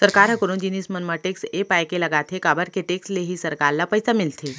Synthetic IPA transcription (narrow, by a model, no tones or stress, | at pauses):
səɾkaɾɦəkəɾuːnd͡ʑiniːsmənməʈeksepajkelaɡat̪ʰekabəɾkeʈeksleɦiːsəɾkaɾlapəjsamilt̪ʰi